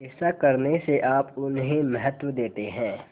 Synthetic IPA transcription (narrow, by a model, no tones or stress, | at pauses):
ɛsakɐɾneseʔaːpʊnɦẽmɐɦət̪wəd̪eːt̪eɦɛ̃ː